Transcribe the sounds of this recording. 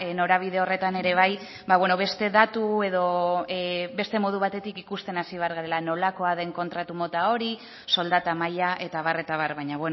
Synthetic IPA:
no̞ɾaβ̞iðe̞o̞re̞t̪ane̞ɾe̞β̞aj | baβwe̞no̞βe̞st̪e̞ðat̪ue̞ðo̞ | be̞st̪e̞mo̞ðuβ̞at̪e̞t̪ikikust̪enasiβe̞aɾɣaɾe̞lano̞lako̞aðe̞ŋko̞nt̪ɾat̪umo̞t̪ao̞ɾi | so̞ld̪at̪amajaʔe̞t̪aβ̞are̞t̪aβaɾβaɲaβen

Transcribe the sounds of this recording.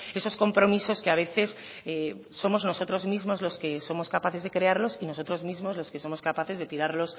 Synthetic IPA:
e̞so̞sko̞mpɾomiso̞skeaβ̞e̞θe̞s | eː | o̞mo̞zno̞so̞t̪ɾo̞zmizmo̞zlo̞ske̞so̞mo̞skapaθe̞zðe̞kɾe̞aɾlo̞sino̞so̞t̪ɾo̞zmizmo̞zlo̞ske̞so̞mo̞skapaθe̞zðe̞t̪iɾaɾlo̞s

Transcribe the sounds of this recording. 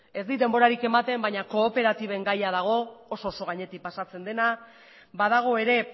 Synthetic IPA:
e̞zd̪id̪e̞mbo̞ɾaɾike̞mat̪e̞mbaɲako̞ːpe̞ɾat̪iβ̞e̞ŋɡajaðaɣ̞o̞ːso̞ːso̞ɣ̞aɲe̞t̪ik̚pasat͡se̞nd̪e̞na | baðaɣ̞o̞e̞ɾe̞

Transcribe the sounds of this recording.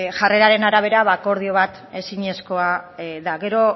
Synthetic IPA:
ʝare̞ɾaɾe̞naɾaβ̞e̞ɾaβako̞ɾð̞io̞β̞at̪ | e̞siɲe̞sko̞aðaɣe̞ɾo̞

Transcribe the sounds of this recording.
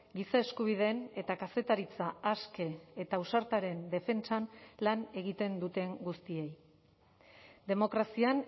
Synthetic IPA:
ɡisae̞skuβ̞ið̞e̞ne̞t̪akase̞t̪aɾit͡saaske̞ːt̪ausaɾt̪aɾe̞nd̪e̞fe̞nt͡sanlane̞ɣ̞it̪e̞nd̪ut̪e̞ŋɡust̪ie̞j | d̪e̞mo̞kɾasian

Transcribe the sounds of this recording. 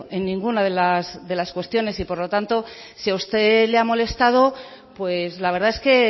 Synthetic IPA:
ʔe̞nːĩŋɡunaðe̞lazðe̞laskwe̞st̪jo̞ne̞sipo̞ɾlo̞t̪ant̪o̞ | siaust̪e̞leamo̞le̞st̪að̞o̞ | pwe̞zlaβ̞e̞ɾðae̞ske̞

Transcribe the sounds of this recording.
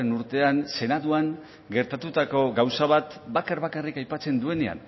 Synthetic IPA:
enuɾt̪e̞anse̞naðuaŋ | ɡe̞ɾt̪at̪ut̪ako̞ɡawsaβ̞at̪bakaɾβakarikajpat͡se̞nd̪ue̞ne̞a̰n

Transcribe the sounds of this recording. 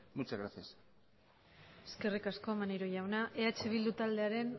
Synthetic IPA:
mut͡ʃaɣɾaθijas | eske̞rikasko̞manejɾo̞ʝawnaʔe̞at͡ʃe̞β̞ild̪ut̪ald̪e̞aɾe̞n

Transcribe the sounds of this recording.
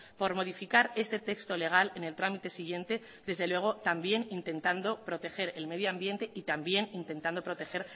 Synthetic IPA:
po̞ɾmo̞ð̞ifikaɾe̞st̪e̞t̪e̞kst̪o̞le̞ɣ̞alene̞lt̪ɾamit̪e̞siɣje̞nt̪e̞ | ðe̞zðelwe̞ɣ̞o̞t̪ambje̞nint̪e̞nt̪and̪opɾo̞t̪e̞xe̞ɾe̞lme̞ðjoambje̞nt̪e̞ʔit̪ambje̞nint̪e̞nt̪and̪o̞pɾo̞t̪e̞xe̞ɾ

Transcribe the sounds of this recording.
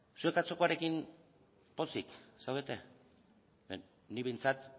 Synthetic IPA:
sue̞kat͡so̞ko̞aɾe̞kim | po̞siksawβet̪e̞ | e | niβejnt͡sat̪

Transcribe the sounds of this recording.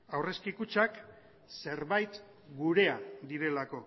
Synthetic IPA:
awre̞skikut͡ʃak | se̞ɾβajt̪ | ɡuɾe̞ad̪iɾe̞lako̞

